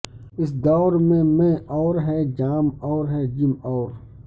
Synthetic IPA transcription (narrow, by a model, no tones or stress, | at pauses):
ɪs̬d̪ɔːɾmẽmẽʔɔːɾɦɛːd͡ʒaːmɔːɾɦɛːd͡ʒɪmɔːɾ